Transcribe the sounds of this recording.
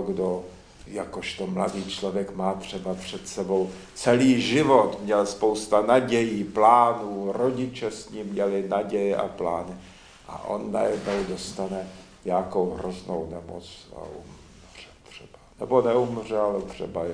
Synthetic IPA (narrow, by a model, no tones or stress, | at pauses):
ɡdo | jakoʃt̪omladiːt͡ʃlovjɛkmaːt̪r̝̥ɛbapr̥ɛt̪sɛbo̞w | t͡sɛliːʒɪvot̪mɲɛlspo̞wst̪anaɟɛjiːplaːnuːɾo̞ɟɪt͡ʃɛsɲiːmːɲɛlɪnaɟɛjɛʔa̰pla̰ːnɪ | ʔa̰ʔo̰nːa̰jɛdno̞wdo̞st̪anɛ | ɲaːkowɦɾozno̰wnɛmo̰t͡sa̰ʔum | r̥ɛ̥t̪r̝̥ɛb̥anɛbonɛumr̝ɛalt̪r̝̥ɛ̰ba